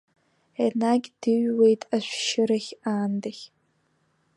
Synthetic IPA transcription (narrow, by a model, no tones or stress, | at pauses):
enaɡʲd̥ɨɥwejtʼaʃʷʃɪɾaχʲaːndaxʲ